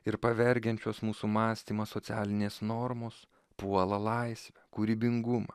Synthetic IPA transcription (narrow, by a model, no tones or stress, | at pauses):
ɪɾpɐʋʲɛɾʲɡʲɛnʲt͡ʃʲoːsmuːsuːmɑːsʲt̪ʲiːmɐsot̪ʲæːlʲɪnʲeːsnɔɾmoːs | puɔlˠɐlˠɐɪsʲʋʲɛkuɾʲiːbʲɪŋɡʊmɐ